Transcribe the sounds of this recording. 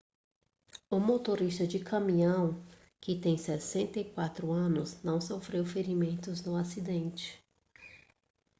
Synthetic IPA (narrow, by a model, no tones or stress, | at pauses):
ʊmot̪oɾist̪ɐd͡ʒɪkʰɐ̃mĩɐ̃w̃ | kɪt̪ẽj̃sɛsẽnt̪ɐikwat̪ɾʊɐ̃nʊznɐ̃w̃sofɾewfeɾimẽnt̪ʊznʊasid̪ẽnt͡ʃɪ̥